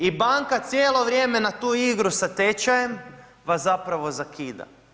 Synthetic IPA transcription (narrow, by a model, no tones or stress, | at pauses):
ibaŋkat̪sjeːlˠo̞ʋɾjeːme̞nat̪uːiɡɾusat̪et͡ʃajem | ʋaszapɾaʋo̞zakʰiːd̪a̰